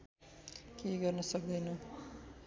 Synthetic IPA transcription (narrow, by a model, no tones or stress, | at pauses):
keɡʌrnʌsʌk̚d̪ʌjnʌ